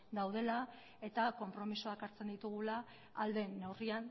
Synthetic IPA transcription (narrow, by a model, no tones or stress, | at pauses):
d̪awð̞e̞la | e̞t̪ako̞mpɾo̞misoakaɾt͡se̞nd̪it̪uɣ̞ulaː | ld̪e̞newrian